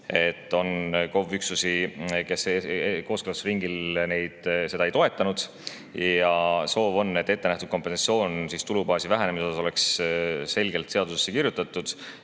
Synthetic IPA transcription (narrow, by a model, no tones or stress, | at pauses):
e̞t̪ːˑo̞nko̞vyksusike̞sko̞ːskølɑsriŋɡilne̞jd̪̥se̞d̪̥ɑejt̪o̞e̞t̪ːˑɑnud̪̥ | jjɑso̞ːvo̞nːe̞t̪ːe̞t̪ːenæht̪ud̪̥̚ko̞mpːˑensɑsio̞ːnsist̪ulubɑːsivæɦænemisoɑso̞le̞ksse̞lʲɡ̥e̞lt̪seɑd̪̥use̞̥sːekirjut̪ːˑɑt̪ːˑud̪̥